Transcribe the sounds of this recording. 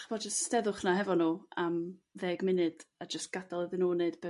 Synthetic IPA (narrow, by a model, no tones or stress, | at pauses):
χbɔdd͡ʒəsstɛðʊχnaɦɛvɔnuːamðeːɡmɪnɨd̥ad͡ʒəstɡ̥adalˠəðɪnuːneɨdb̥ɛ